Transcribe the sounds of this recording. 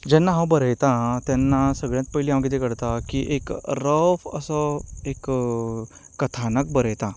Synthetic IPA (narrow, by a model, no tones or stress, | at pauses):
d͡ʑɛnːaɦãwbəɾəjt̪ãt̪janːasəɡɭjat̪̚pəiliãʋɡit̪ekəɽt̪akiʔekɾəfə̰səek | ət̪ʰanək̚bəɾəjt̪ã